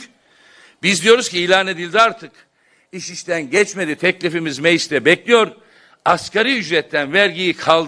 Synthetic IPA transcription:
bizd̪ijo̞ɾuz̥cʰiːlʲaːne̞d̪ilʲd̪iaɾt̪ʰɯk | iʃiʃt̪ʰænɟɛt͡ʃme̞d̪it̪ʰɛclʲifimizmejiʃt̪ɛbɛclʲijo̞ɾ | askaɾiyd͡ʒɾɛt̪ʰːænvæɾɟijikʰalˠd̪

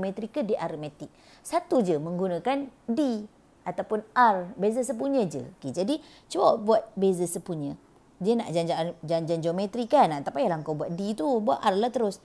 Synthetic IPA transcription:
mɛt̪ɾikːədiʔaɾmɛt̪ɪk̚ | sat̪ud͡ʒəmə̃ŋɡunãkandi | at̪awpʊnʔarbezəsəpuɲə̃d͡ʒə̰kid͡ʒadi | t͡ʃəwabuat̪̚bezəsəpuɲə | d͡ʒəna̰ʔd͡ʒaɲd͡ʒad͡ʒand͡ʒand͡ʒomɛt̪ɾikanat̪apajalaŋkawbuat̪̚dit̪ubua̰t̪ʔarlaht̪əɾʊs

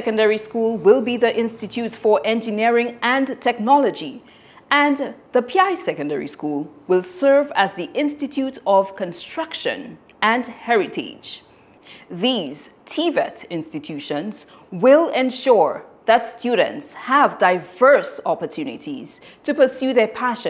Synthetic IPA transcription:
sɛkɨ̃ndɛɹiskulˠwɪlˠbiðiʔɪ̃nstɨtʰʉtfə˞ʔɛ̃nd͡ʒɨnɪɹɪ̃ŋɨ̃ntʰɛk̚nɑləd͡ʒi | ɨ̃nðəpʰiaɪsɛkɨ̃ndɛ̰ɹḭskulˠwɪlˠsɜ˞væzðiʔɪ̃nstɨtʰuɾʌv̥kɨ̃nstɹ̥ʌkʃɨ̰̃n | ɨ̃nhɛɹɨtʰḛ̥d͡ʒ | ðiz̥tʰivɛ̰tɪ̃nstɨtʰʉʃə̃nz̥ | wɪlˠɛ̃nʃʊɹðɨtstʰjʉɾ̰̃ntshəvdaɪvɜ˞sɑpə˞tʰʉnɪ̰ɾḭz̥ | tʰɨpə˞sjʉðə˞pʰæʃɨ̃

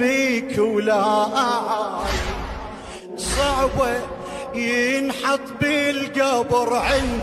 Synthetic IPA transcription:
iːkwlahaʔaʕa | sˤɑʕba | jɪnħɑt̪ˤbilɡabɾˤʕɪn

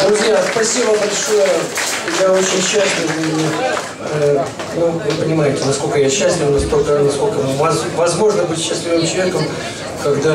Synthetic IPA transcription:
d̪ɾʊzʲjaspɐsʲibbəbɐlʲʂo̞jəjaot͡ɕɪnʲɕːæsʲlʲɪvv | nuvɨpənʲɪmajɪtʲɪnɐsko̞lʲkəjaɕːæsʲlʲɪvnɐst̪o̞lʲkənɐsko̞lʲkəvɐzvɐzmo̞ʐnəbɨtʲɕːæsʲlʲɪvɨmt͡ɕlˠɐvʲekəm | kɐɡd̪a

